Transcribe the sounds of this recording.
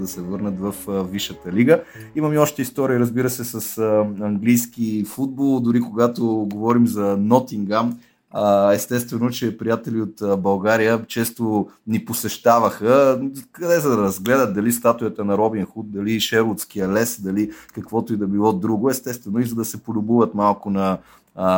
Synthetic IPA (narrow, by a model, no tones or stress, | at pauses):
d̪ɐsɛvɤɾnət̪vɐfviʃət̪əliɡəimɐmiɔʃt̪ɛist̪ɔɾiiɾəzbiɾəsɛsɐsəɐŋɡlijsk̟ifud̪̚bolˠd̪ʊɾikoɡat̪oɡovɔɾimzɐnɔt̪iŋɡam | əɛst̪ɛst̪vɛnot͡ʃɛpɾijat̪ɛliot̪əbɐlˠɡaɾijət͡ʃɛst̪oniposɛʃt̪avɐxəkɐd̪ɛzɐd̪ɐɾɐzɡlɛd̪ət̪̚d̪ɐlist̪at̪ʊjət̪ənɐɾɔbinxut̪̚d̪ɐliʃɛɾlˠot̪sk̟ijəlɛsd̪ɐlikɐkvɔt̪oʊid̪ɐbilˠɔd̪ɾuɡʊɛst̪ɛst̪vɛnʊizɐd̪ɐsɛpolʲʊbuvət̪malˠkʊnɐ